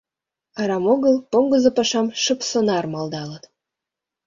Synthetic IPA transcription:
ɑɾɑmoɣɤlˠpomɡɤ̆zɤ̆pɑʃɑmʃə̆psɤ̆nɑrmɑld̪ɑlə̆t̪

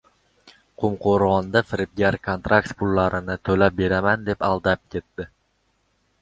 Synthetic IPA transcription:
qʰʊmqʰoɾʁɒnd̪afɪɾɪp̚ɡʲaɾkʰont̪ɾʔakt̪pʰʊlˠːaɾɪnɪt̪ʰɵlap̚be̞ɾamand̪e̞palˠd̪ap̚kʲʰe̞t̪ːɪ

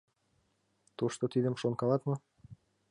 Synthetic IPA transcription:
t̪uʃt̪ot̪id̪ə̆mʃonkɑlɑt̪mɤ̆

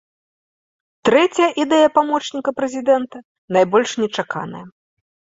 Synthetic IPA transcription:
t̪ɾɛt͡sʲɐjɐʔid̪ɛjɐpamɔt͡ʂnʲikɐpɾɛzʲid̪ɛnt̪ɐ | najbɔlʲʂnʲɛt͡ʂaka̰nɐ̰jɐ

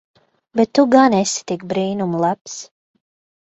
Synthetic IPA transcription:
bɛt̪ːuɡanɛsi̥t̪ik̚bɾiːnumlˠaps

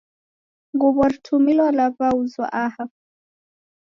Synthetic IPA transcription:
ŋɡuβɔɾtʰumilwalapauzwa̰ʔaha

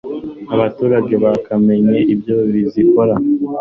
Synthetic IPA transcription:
aβatuːɾaɟe̞βakame̞ɲe̞ʔibɟoβiziko̞ɾa

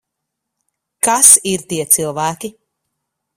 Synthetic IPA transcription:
kasiɾt̪iɛt̪silˠvæːkʲi

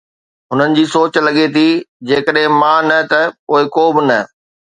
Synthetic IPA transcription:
ɦʊnənɪ̆d͡ʑiːsoːt͡ɕlɐɠet̪ʰid͡ʑeːkəɗɦɪ̃mãːnɐt̪ɐkoːɪkoːbɪnɐ

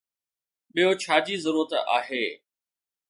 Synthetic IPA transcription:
ɓijot͡ɕʰaːd͡ʑiːzəɾuːɾət̪a̰ːɦeː

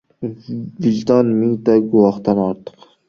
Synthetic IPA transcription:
vilt̪ɑnmiŋt̪ɑɡʊwˠɑχt̪ɑnɑɾt̪ʰə̥q

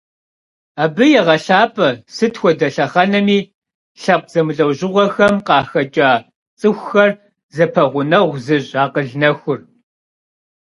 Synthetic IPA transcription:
aːbɨjɛʁɐɬaːpʰʼɐsɨtxʷɔdɐɬɐχɐnɐmiː | ɬɐp̚ʷʼz̥ɐmɨɮɐwʑɪʁʷɔxɐmqɑːxɐt͡ʃʼaː | t͡sʼɨxʷxɐr | zɐpʰɐʁʷʊnɐʁʷzɨʑaːqəɮnɐxʷʊr

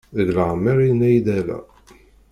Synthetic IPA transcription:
ðəɣləʁmːəɾinæjd̪ælæ̰

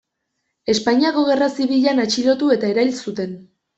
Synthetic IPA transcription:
e̞spaɲiako̞ɣe̞rasiβiʎanat͡ʃilo̞t̪ue̞t̪ae̞ɾajlsut̪e̞n

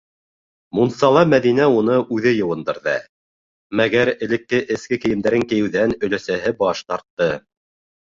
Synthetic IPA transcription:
munsɑlˠɑmæðinæunɤʔʉðɘjɤ̆wɤ̆nd̪ɤ̆ɾðɑ̰ | mæɣæɾɘ̆lɘ̆kːɘʔɘ̆skɘkɘ̆jɘ̆md̪æɾɘŋkɘ̆jɘ̆wðænɵ̆læsæɦɘbɑʃt̪ɑɾt̪ːɤ

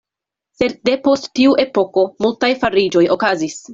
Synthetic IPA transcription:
se̞dde̞po̞sttiuʔe̞po̞ko̞multajfaɾid͡ʒo̞jʔo̞kazis

